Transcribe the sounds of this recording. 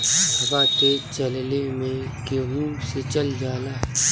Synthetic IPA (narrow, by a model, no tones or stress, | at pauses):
dʱɐbaːt̪et͡ʃɐllemẽkeɾuːset͡ʃɐld͡ʒaːlaːɦ